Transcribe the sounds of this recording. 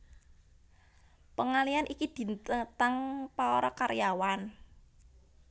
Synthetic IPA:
pəŋalijanʔikid̪̥i̤nt̪ət̪aŋpaɔɾɔkaɾjawan

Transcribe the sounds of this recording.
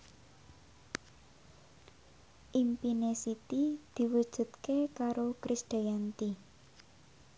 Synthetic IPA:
ʔimpinesit̪id̪̥i̤wud̥ʒ̥ṳt̪kekaɾokɾisɖ̪̥ajant̪i

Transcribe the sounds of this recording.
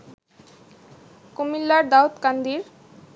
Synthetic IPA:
komilːaɾd̪aut̪kand̪iɾ

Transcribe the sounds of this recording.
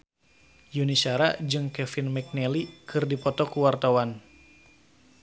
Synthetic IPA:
junisaɾad͡ʒɨŋkɛfɪnmɛk̚nɛlikʰɨrdipɔt̪ɔkuwart̪awan

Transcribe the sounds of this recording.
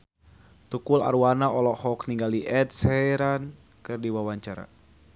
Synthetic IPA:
t̪ukula̰rwanaɔlɔhɔkniŋɡaliʔɛt̪̚sɛjɾan | kɨrdiwawaɲt͡ʃaɾa̰

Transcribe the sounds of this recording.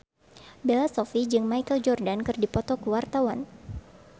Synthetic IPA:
belasɔfid͡ʒɨŋmajkəld͡ʒɔrdankɨrdipɔt̪ɔkuwart̪awan

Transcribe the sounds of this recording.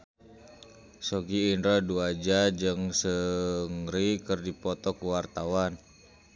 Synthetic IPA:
soɡiːnɾaduad͡ʒad͡ʒɨŋsəŋɾikərdipɔt̪ɔkuwart̪awan

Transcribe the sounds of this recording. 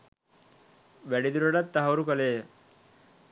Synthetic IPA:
ʋæɽid̪uɾaɽat̪ːaɦaʋəɾukale

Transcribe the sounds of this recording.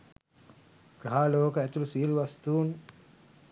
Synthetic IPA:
ɡ̥aɦaːloːkəæt̪ulusiiluʋɐst̪uːn

